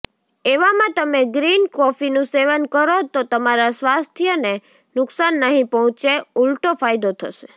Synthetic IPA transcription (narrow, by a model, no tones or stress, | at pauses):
eʋamãt̪əmeɡɾinkɔfinũseʋənkəɾot̪ot̪əmaɾasʋast̪ʰijəne | nʊksanːəɦĩpɔɦɔ̃t͡ʃeulʈofajd̪ot̪ʰə̰ʃe̥